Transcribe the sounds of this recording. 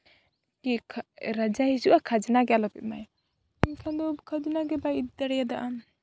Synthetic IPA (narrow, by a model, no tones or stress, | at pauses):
kikʰɾad͡ʒahid͡ʒuʔakʰad͡ʒinaɡɛalɔpɛt̪̚maj | imkʰand̪ɔkʰad͡ʒɔnaɡɛbait̪d̪aɽɛjad̪aʔam